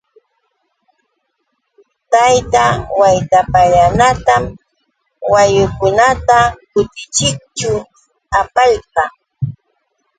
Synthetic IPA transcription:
t̪ajt̪awajt̪apaʎanat̪am | wajʊkʊnat̪akʊt̪ɪt͡ʃɪk̚t͡ʃʊ | apaʎqɑ

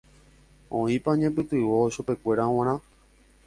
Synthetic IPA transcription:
õĩpaɲẽp̬ɨt̪ɨʋoʃupe̞kʷe̞ɾaw̃ãɾ̃ã

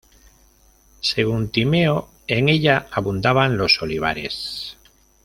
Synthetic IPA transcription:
se̞ɣ̞unt̪ime̞o | e̞ŋe̞ʎaaβund̪aβanlo̞so̞liβ̞a̰ɾe̞̰s

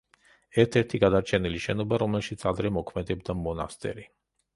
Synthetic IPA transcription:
ɛɾt̪ʰɛɾt̪ʰiɡad̪aɾt͡ʃʰɛniliʃɛnɔbaɾɔmɛlʃit̪sʰad̪ɾɛmɔkʰmɛd̪ɛbd̪amɔna̰st̪ʼɛ̰ɾi

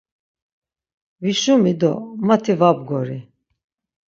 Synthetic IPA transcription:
viʃumid̪ɔ̰mat̪ʰivab̚ɡɔɾi

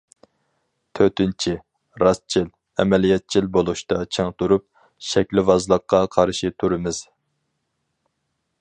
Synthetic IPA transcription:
t̪ʰøt̪ɪnt͡ʃʰi | ɾɑst͡ʃʰil | ɛ̰mɛlijɛt̪̚t͡ʃʰilbolˠuʃt̪ɑt͡ʃʰeŋt̪ʰuɾup̚ | ʃɛkʲlɪvɑzlˠəqːɑqʰɑɾʃit̪ʰuɾɪmɪz̥

